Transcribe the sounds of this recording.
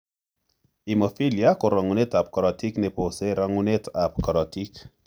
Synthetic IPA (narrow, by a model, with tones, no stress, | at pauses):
imɔfi˦lja˦ko˨ɾa˨ŋu˨ne˦ta˨p̚kɔɾɔ˨ti˦kne˨pose˦ɾa˦ŋune˦tʰap̚kɔ˨ɾɔti˦k